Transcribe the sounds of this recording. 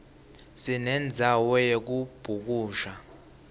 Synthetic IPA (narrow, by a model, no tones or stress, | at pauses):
sinɛnd͡zʱawɔjek̬ub̥ʱuk̬uːʃa